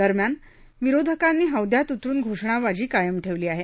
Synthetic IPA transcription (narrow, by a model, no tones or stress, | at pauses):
əɾmjan | ʋiɾod̪ʱəkanːiːɦəwd̪jat̪ut̪ɾuːnɡʱoʂɳ̃aʋad͡ʑiːkajəmʈʰeʋliːaɦe